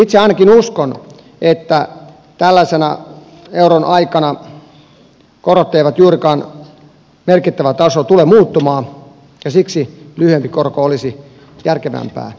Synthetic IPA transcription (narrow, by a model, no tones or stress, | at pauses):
it̪seɑinɑkinuskon | et̪ːæ | t̪ælːæsenæ̰ | euronɑikɑnɑ | korot̪ːeiʋɑt̪juːrikɑːn | merkit̪ːæʋæt̪ɑsot̪ulemuːt̪ːumɑː | jɑsiksilyhyempikorkoolisi | jærkeʋæ̰mpæ̰ː